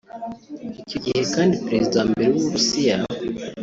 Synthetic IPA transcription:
ico̞ɟihe̞kaːndipɾe̞zidambe̞ɾewuβuɾusija

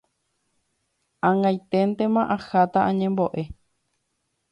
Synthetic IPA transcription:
ãŋɡajt̪ent̪ẽ̞mãʔahat̪aʔãɲẽmbo̞ʔe̞

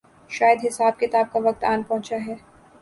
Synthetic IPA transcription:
ʃaːjəd̪ɦɪsaːb̚kɪt̪aːb̚kaʋɐk̚t̪aːnpɔ̃ɦʊ̃t͡ʃaɦɛː

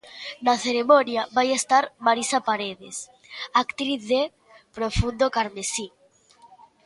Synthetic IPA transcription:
naθeɾemonjaβajest̪aɾmaɾisapaɾeðes | akt̪ɾiθðe | pɾofund̪okaɾmesi

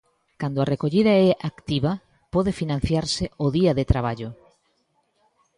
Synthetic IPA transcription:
kand̪oarekoʎiðɐɛʔakt̪iβɐ | pɔðefinãn̟θjaɾsɪoðiɐðet̪ɾaβ̞aʎo

